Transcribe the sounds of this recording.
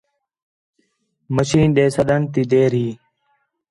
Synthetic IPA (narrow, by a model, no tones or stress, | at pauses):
məʃiːnɗeːsəɗ̪ənt̪iːd̪eːɾɦiː